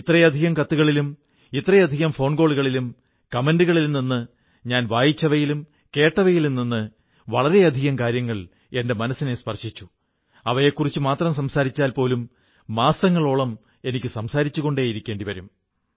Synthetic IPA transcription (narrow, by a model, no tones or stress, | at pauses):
it̪rɐjɐd̪ʱiɣɐmkɐt̪ːuɣɐɭilum | it̪ːrɐjɐd̪ʱiɣɐmfo̞ːɳɡo̞ːɭuɣɐɭilum | kɐme̞nduɣɐɭilninːɨ | ɲaːnʋaːjit͡ɕːɐʋɐjilum | ke̞ːʈːɐʋɐjilninːɨ | ʋɐɭɐɾe̞ɐd̪ʱiɣɐmkaːɾjɐŋːɐɭ | e̞nde̞mɐnɐsːinespɐrɕit͡ɕːu̥ | ɐʋɐjekːurit͡ɕːumaːt̪rɐms̬ɐmsaːɾit͡ɕːaːlpo̞ːlumː | aːsɐŋːɐɭoːɭɐm | e̞nikʲːɨsɐmsaːɾit͡ɕːuɣo̞ɳɖeːjiɾikʲːe̞ːɳɖiʋɐɾum